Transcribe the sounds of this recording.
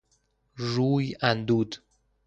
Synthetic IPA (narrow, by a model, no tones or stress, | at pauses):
ɾuːjænd̪uːd̪